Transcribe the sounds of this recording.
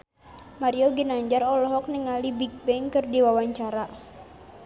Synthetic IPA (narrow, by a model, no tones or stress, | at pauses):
maɾiɔɡinaɲd͡ʒarɔlɔɦɔk̚nəŋalibik̚bɛŋkɨrdiwawaɲt͡ʃaɾa